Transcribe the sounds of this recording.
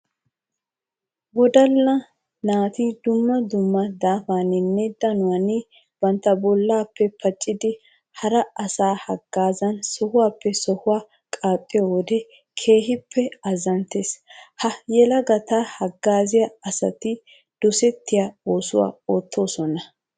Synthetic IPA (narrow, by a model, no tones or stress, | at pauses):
wɔd̪ɐlːɐ | naːt̪id̪ʊmːɐd̪ʊmːɐd̪aːfaːnɪnːɛd̪ɐnʊwɐnɪ | bɐnt̪ːɐbɔlːaːpːɛpʰɐt͡ʃʼːɪd̪ɪ | hɐɾɐʔɐsaːhɐɡ̥ːaːzɐnsɔhʊwaːpːɛsɔhʊwaː | kʼaːpʼːɪjowɔd̪ɛ | kʰe̞ːɦɪpːɛɐzɐnt̪ːeshɐjɛlɐɡɐt̪aːhɐɡːaːzɪjɐɐsɐ̰t̪ɪ | d̪̥ʊsɛt̪ːɪjao̞ːsʊ̰wa̰ːoːt̪ːo̞ːsɔnɐ